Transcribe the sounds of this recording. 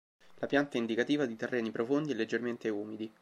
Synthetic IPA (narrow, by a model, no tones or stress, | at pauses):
lapjant̪aind̪ikat̪iːvad̪it̪erːɛːnipɾofond̪iɛlːed͡ʒːerment̪euːmid̪i